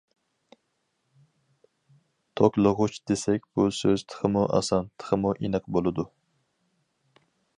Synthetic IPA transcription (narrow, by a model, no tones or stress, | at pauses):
t̪ʰokʲlˠəʁʊt͡ʃd̪̥esɛkʲb̥usøz̥t̪ʰə̥χʰəmuʔɑ̰sɑnt̪ʰə̥qʰəmuʔinɨqbolˠɨd̪u